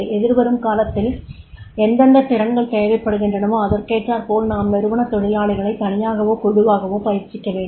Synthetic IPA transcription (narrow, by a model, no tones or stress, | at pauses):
ɛðɪɾʋɐɾɯmkaːlɐt̪ːɪl | ɛnd̪ɐnɖɐt̪ɪɾɐnɡɐɭt̪eːʋɐɪpːɐɽɯɣɪndrɐɳɯmoːɐðɐɾkeːʈraːɾpoːlnaːmmɛɾɯʋɐɳɐt̪ɔɻɪlaːɭɪɣɐɭɐɪt̪ːɐɳɪjaːɣɐʋoːkʊɽɯʋaːɣɐʋoːpɐjɪɾt͡ʃːɪkːɐʋeːɳɖ